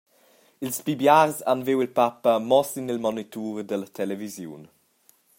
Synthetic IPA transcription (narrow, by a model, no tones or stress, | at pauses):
ilspibjaːrzanvewilpapəmɔsinilmɔnit̪uːɾd̪ələt̪ʰɛlɛvizjṵn